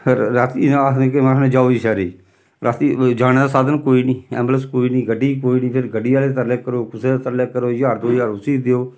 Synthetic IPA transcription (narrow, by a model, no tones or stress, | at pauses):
pʰeɾːaːt̪inːnekemasnẽːd͡ʒaːoːiːʃɛːɾiː | ɾaːt̪iːd͡ʒaːñeːd̪aːsaːd̪ənkoːiːniːɛ̰ːmbləskoːiːniːɡəɖiːkoːiːniːpʰɪɾɡəɖiːaːleːt̪əɾleːkəɾoːkʊseːt̪əɾleːkəɾoːjaːɾd̪oːjaːɾʊsiːd̪eoː